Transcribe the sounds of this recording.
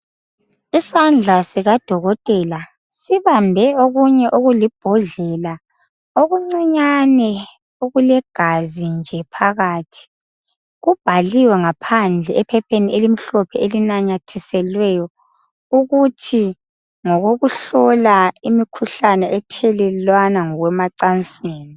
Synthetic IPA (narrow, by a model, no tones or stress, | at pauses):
isand͡ɮʱasiɣad̥ʱɔɣɔtʼɛla | siβambʱɛoɣuɲɛʔoɣulib̥ʱɔɮɛla | oɣuŋ͡ǀiɲanɛ | oɣulɛɡ̥ʱazind͡ʒʱɛpʰaɣaːtʰi̥ | ɣub̥ʱaliwɛŋapʰand͡ɮʱɛɛpʰɛpʰeniʔelim̩ɬɔpʰɛelinaɲatʰisɛlwɛjɔ | uɣutʰi | ŋɔɣoɣuɬɔlaimikʰuɬanɛʔɛtʰɛlɛlwanaŋɔɣwɛmaǀant͡sʼeːni